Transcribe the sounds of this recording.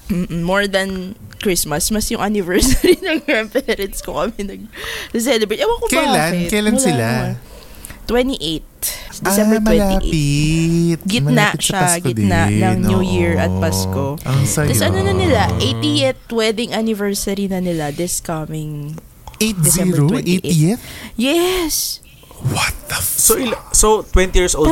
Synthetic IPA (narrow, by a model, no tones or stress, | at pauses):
m̩ːʔm̩moɹd̪ɐnkɹɪsmɐsmɐsjʊŋʔanɪvɛɹsɐɾinɐŋɾampɛɾɐnskokɐmɛnɐɡ̚d̪ɪs̬ɛlɛbejt̪ʔɐwɐɡkokɐlakjlanmʊlɪla | t̪wɛnt̪iʔejt̪̚d̪sɛmbɛmɐwɛlaipɪt̪̚ɡɪmɐnlaaʔʃaɡɪtd̪naʔnnɐŋnjujiɹʔɐt̪̚paskoʔɐŋsɐɐsʔɐnonɐnɪlaʔejt̪ijɛt̪wɛd̪ɪŋʔanɪvɛɹsɐɾinɐnɪlad̪ɪskɐmɪŋ | ʔet̪ɛszɛibɾoʔetiɛt̪jɛs | wɐt̪̚ɐfsoʔɪsot̪wɛ̃nt̪ijiɹsʔo